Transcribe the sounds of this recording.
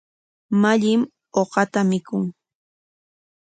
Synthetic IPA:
maʎɪm | oɢɑt̪amɪkʊŋ

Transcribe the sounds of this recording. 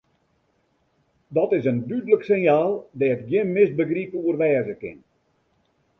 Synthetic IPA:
dɔtɪsəndydələksɪnjaːlˠdɛətɡjɪnmɪs̚bəɡripuərʋɛːzəkɪ̰n

